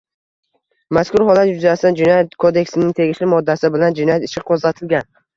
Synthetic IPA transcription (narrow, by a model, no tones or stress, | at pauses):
maskʰʊɾhɒlat̪jʊzast̪and͡ʒɪnɒjat̪kʰod̪e̞kʲsɪnɪŋt̪ʰe̞ɡʲɪʃlɪmɒd̪ːasɪbɪland͡ʒɪnɒjat̪ɪʃɪqʰːozat̪ʰɪlɡʲan